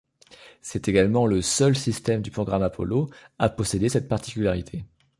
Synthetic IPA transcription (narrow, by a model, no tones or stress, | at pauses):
sɛt̪eɡalmɑ̃ləsœlsist̪ɛmd̪ypχɔɡʁamapʰɔ̰loapɔsed̪esɛt̪̚paʁt̪i̥kʲylaʁit̪ʰe